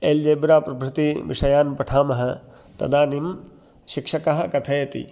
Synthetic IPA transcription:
eːld͡ʒeːbɾaːpɾɐbɾut̪iʋḭʂɐjaːnpɐʈʰaːmɐɦɐ̆ | t̪ɐ̰d̪aːnim | ʃikʂɐkɐɦɐ̆kɐt̪ʰɐjɐt̪ḭ

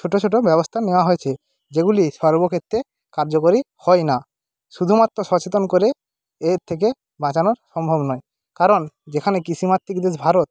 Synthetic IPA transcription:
oʈot͡ɕʰoʈ̬obɛbost̪ʰaneoaɦoet͡ɕʰe | d͡ʑeɡuliʃɔɾbokʰet̪ːɾe | kaɾd͡ʑokoɾihɔena | ʃud̪ʱumat̪ːɾoʃɔt͡ɕet̪onkoɾeː | ɾt̪ʰek̬e | bãt͡ɕanoɾʃɔmbʱobnɔe | kaɾond͡ʑekʰanekisʰimat̪ːikd̪eʃbʱaɾot̪

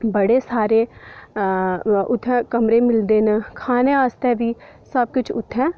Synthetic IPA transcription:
bəɽeːsaːɾeː | ʊt̪ʰːɛ̃ːkəmɾẽːmɪld̪eːnkʰaːneaːst̪ɛːʋiː | səb̚kʊt͡ʃʰʊt̪ʰːɛ̃ː

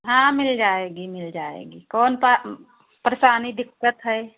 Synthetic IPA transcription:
ɦãːmɪld͡ʒaːeːɡimɪld͡ʒaːḛːɡiːkɔːnp | pɾesaːnid̪ɪkːət̪ɦɛː

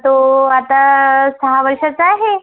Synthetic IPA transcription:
t̪oat̪asəɦaʋəɾʂat͡saɦe

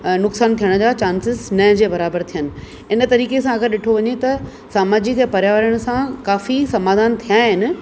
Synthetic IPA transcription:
nʊksaːnt̪ʰijəɽ̃̆d͡ʑaːt͡ɕaːnsɪznɐɦd͡ʑeːbɐɾaːbəɾt̪ʰijənɪ̆ | ɪnə̆t̪ɐɾiːkesãɐɡəɾɗɪʈʰoʋɐɲet̪ɐ | saːmaːd͡ʑɪkɛ̃pɐɾjaːʋəɾəɽ̃̆sãkaːfisɐmaːd̪ʱaːnt̪ʰijaːɦɪnɪ̆

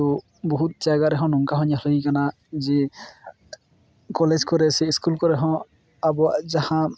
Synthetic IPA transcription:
u | bɔɦut̪̚d͡ʒaɡaɾɛɦɔ̃nɔŋkaɦɔɲalɯikana | zi | kɔled͡ʒkɔɾɛsiiskulkɔɾɛɦɔ̃ | abɔaʔzahã

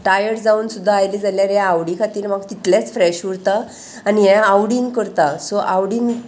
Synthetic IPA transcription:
ʈajəʈd͡zauːnsud̪ʱːaːjlid͡zaljaɾjaaʋɽikʰat̪iːɾm̤aɡt̪it̪ljat͡sfɾɛɕʋuɽt̪a | aniɦɛ̃awɽiːnkəɾt̪asoʔawɽiːn

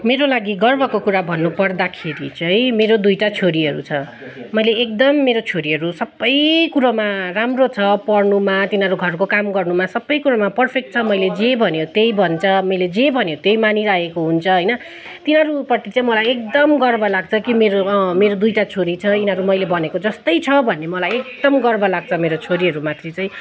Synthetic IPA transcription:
meɾolaɡiɡʌrbʱʌkokuɾabʱʌnːupʌrd̪akʰeɾḭt͡sʌ̃j̃meɾod̪ujʈat͡sʰoɾiɦʌɾṵt͡sʰʌ | mʌjleːk̚d̪ʌmːeɾot͡sʰoɾiɦʌɾusʌbːʌjkuɾamaramrot͡sʰʌpʌrnumat̪inɦʌɾuɡʱʌrkokamɡʌrnumasʌbːʌjkuɾamapʌrpʰek̚ʈ̚t͡sʰʌmʌjled͡zebʱʌnjot̪ejbʱʌnt͡sʰʌmʌjled͡zebʱʌnjot̪ejmaniɾajekoɦunt͡sʰʌɦʌjnʌ | t̪inɦʌɾupʌrt̪it͡saĩmʌlajek̚d̪ʌmɡʌrbʌlaɡ̚t͡sʰʌkimeɾomeɾod̪ujʈat͡sʰoɾit͡sʰʌinʌɾumʌjlebʌnekod͡zʌst̪ʌjt͡sʰʌbʱʌnemʌlajekd̪ʌmɡʌrbʌlaɡ̚t͡sʰʌmeɾot͡sʰoɾiɦʌɾumat̪ʰrit͡sʌj̃

